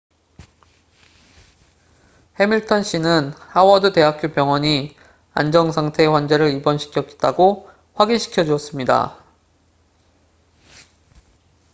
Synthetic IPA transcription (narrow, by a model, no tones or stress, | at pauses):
he̞miɭtʰʌnɕ͈inɯnhawʌdute̞ɦak͈jopjʌŋwʌɲi | a̰nd͡ʑʌŋsʰaŋtʰe̞ɸwand͡ʑe̞ɾɯɾibʌnɕʰi̥kʰjʌk͈e̥t̚t͈aɡo | ɸwaɡinɕʰi̥kʰjʌd͡ʑuʌs͈ɯmɲida̰